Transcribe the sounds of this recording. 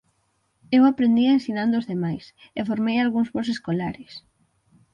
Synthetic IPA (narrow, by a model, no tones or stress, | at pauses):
ewapɾend̪iensinãnd̪oːzðemajs | efoɾmejalɣuŋzβos̬eskolaɾɪs